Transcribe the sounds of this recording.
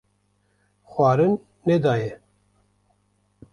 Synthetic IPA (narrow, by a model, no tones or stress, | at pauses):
xwɑːɾɨnː | ɛd̪ɑːjɛ